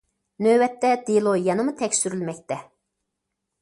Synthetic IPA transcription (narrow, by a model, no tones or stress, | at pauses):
nøwɛt̪ʰːɛd̪̥elˠojɑnɨmut̪ʰɛkʲsyɾylmɛk̚ʲt̪ʰɛ